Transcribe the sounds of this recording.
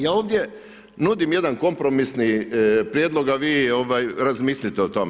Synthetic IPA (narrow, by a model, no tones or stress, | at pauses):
jaːo̞ːʋd̪je | nuːd̪imje̞d̪anko̞mpɾo̞misnipɾjed̪lˠo̞ɡaʋiːo̞ʋajɾazmiːslʲit̪ɛot̪o̞me